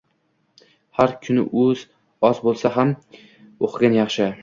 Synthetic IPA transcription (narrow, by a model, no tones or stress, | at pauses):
haɾkʲʰʊnɪ̰ʔɵz̥ | ɒzbolˠsaɦam | oqʰɪɡʲanjɑχʃɪ